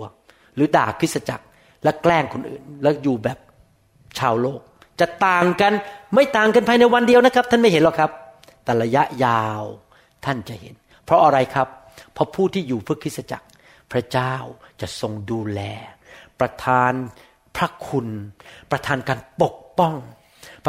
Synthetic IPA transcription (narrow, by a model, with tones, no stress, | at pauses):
ə | ɾɯː˩˦daː˨˩kʰːɯ˦˥sa˧t͡ɕa̰˨˩k̚ | lɛ˦˥wklɛː˥˩ŋkʰo˧nʔɯ̰ː˨˩nlɛ˦˥wjuː˨˩bɛː˨˩p̚ | t͡ɕʰaː˧wloː˥˩k̚ | t͡ɕa˨˩t̪aː˨˩ŋka˧nma˥˩jt̪aː˨˩ŋka˧npʰaː˧jna˧jwa˧ndi˧əwna˦˥kʰa˦˥t̪ʰa˥˩nma˥˩jɦe˦nlɛː˧˩kʰa˦˥p̚ | t̪ɛː˨˩ɾa˧ja˦˥ʔjaː˧w | t̪ʰa˥˩nt͡ɕa˨˩hḛ˨˦n | pʰɾɔ˦˥ʔa˧ɾa˧jkʰɾa˦˥pʰː | ɔ˦˥pʰuː˥˩t̪ʰiː˥˩juː˨˩pʰɯ˥˩kʰːɯ˦˥t̚sa˧t͡ɕa̰˨˩k̚ | pʰɾa˦˥t͡ɕaː˥˩wt͡ɕa˨˩ʔso˧ŋduː˧lɛː˧pɾa˧t̪ʰaː˧n | pʰɾa˦˥kʰu˧npɾa˧t̪ʰaː˧nkaː˧npo˨˩k̚pɔ˥˩ŋ